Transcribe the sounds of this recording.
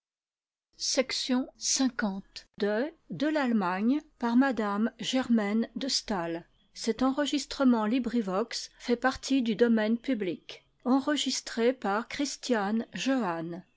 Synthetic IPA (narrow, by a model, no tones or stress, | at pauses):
sɛksjɔ̃sɛ̃kɑ̃t̪d̪əd̪əlalmaɲpaʁmad̪amʒɛʁmɛnd̪əst̪al | sɛt̪ɑ̃ʁəʒist̪χəmɑ̃libʁivɔksfɛpaʁt̪ʰid̪yd̪ɔmɛnpyblik | ɑ̃ʁəʒist̪χepaʁkχist̪janʒøan